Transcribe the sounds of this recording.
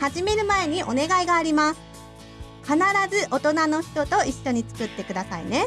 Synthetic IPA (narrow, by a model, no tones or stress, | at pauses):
haʑime̞ɾɯ̟mae̞ɲ̟iʔo̞ne̞ɡaiɡaːɾʲimasɨ̥ | kanaɾazɨʔo̞t̪o̞nano̞çi̥t̪o̞t̪o̞iɕːo̞ɲ̟it͡sɨ̥kɯ̟t̪ːe̞kɯ̟d̪asaḭne̞